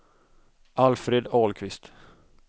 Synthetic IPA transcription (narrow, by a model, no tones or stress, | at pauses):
ʔalfɾeːd̪ɑːlkʰvɪst̪